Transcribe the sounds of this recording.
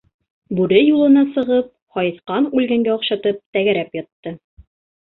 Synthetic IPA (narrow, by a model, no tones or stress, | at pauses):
bʉɾɘjulˠɤ̆nɑsɤ̆ʁɤp̚hɒjɤθqɑnʉlɡæŋɡæɒqɕɑt̪ɤp̚t̪æɡæɾæpjɒt̪ːɤ